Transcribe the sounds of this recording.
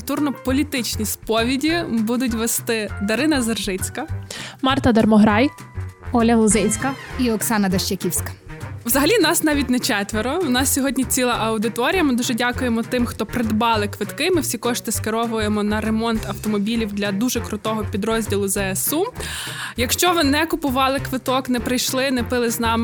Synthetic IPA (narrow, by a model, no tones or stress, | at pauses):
t̪urnɔpɔlʲit̪ɪt͡ʃʲnʲispɔʋʲidʲibud̪ʊt̬ʲʋest̪ɪd̪ɐɾɪnɐzɐrʒɪt͡sʲkɐmɑrt̪ɐd̪ɐrmɔɦɾɑj | ɔlʲɐlˠʊzɪjʲsʲkɐiɔksɑnɐd̪ɐʃt͡ʃɐkʲiwsʲkɐ̥wzɐɦɐlʲinɑsnɑʋʲitʲnɛt͡ʃɛt̪ʋeɾɔʊnɑsʲsʲɔɦɔdʲnʲit͡sʲilˠɐʔɐwd̪ɪt̪ɔɾʲijɐmɪd̪uʒɛdʲɑkʊjemɔt̪ɪmxt̪ɔpɾɪd̪bɑlˠɪkʋɪt̪kɪmɪwsʲikɔʃt̪ɪskeɾɔʋʊjemɔnɐɾemɔnt̪ɐwt̪ɔmɔbʲilʲiwd̪lʲɐd̪uʒɛkɾʊt̪ɔɦɔpʲid̪ɾɔzʲdʲilˠʊzɛɛsu | jɐkʃt͡ʃɔʋɪnɛkʊpʊʋɑlˠɪkʋɪt̪ɔknɛpɾɪjʃlˠɪnɛpɪlˠɪznɑm